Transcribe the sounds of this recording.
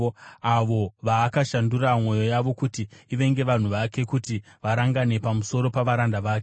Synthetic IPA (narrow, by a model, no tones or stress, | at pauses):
aʋo̞ʋaːkaʃanduramwo̞jo̞jaʋo̞kutiiʋe̞ŋɡe̞ʋan̤uʋake̞kutiʋaɾaŋɡane̞pamuso̞ɾo̞paʋaɾandaʋaːke